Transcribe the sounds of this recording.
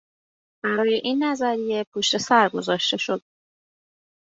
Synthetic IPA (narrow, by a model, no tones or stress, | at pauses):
b̥æɾɒːje̞ʔinːæzæɾije̞pʰoːʃt̪e̞sæɾɡo̞zɒːʃt̪e̞ʃo̞d̪̥̚